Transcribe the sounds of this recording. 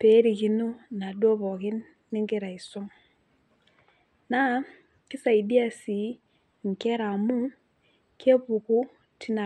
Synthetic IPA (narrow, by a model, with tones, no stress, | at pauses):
pe˨˦ɾi˨ki˨nu˦na˨dwo˦bɔ˨kɪ˦nː | ɪ˦ŋɡɪ˦˨ɾa˨i˨sʊ˦ŋ | na˦ | kɪ˦sa˨i˨di˦a˦si˨ | ŋ̩˨ke˦ɾa˨mu˦ | ke˦pu˨ku˦ | tʰi˦na˨